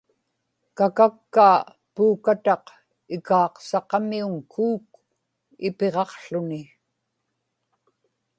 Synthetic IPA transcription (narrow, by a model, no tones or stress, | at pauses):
kakakːaː | puːkat̪ɑq | ɪkɑːqsɑqɑmiuŋkʰuːk̚ | ɪ̰pe̞ʁɑqɬʊnɪ